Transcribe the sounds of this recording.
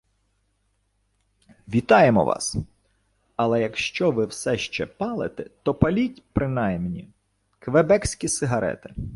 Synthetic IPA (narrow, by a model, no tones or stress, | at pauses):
ʋʲit̪ɑjemɔ̰ʋʔɑ̰s | ɐlˠɛjɐkʃt͡ʃɔʋɪwsɛʃt͡ʃɛ̰pɑlˠḛt̪ɛt̪ɔpɐlʲitʲpɾɪnɑjmnʲi | kʋebɛksʲkʲisɪɦɐɾɛ̰t̪ɪ̥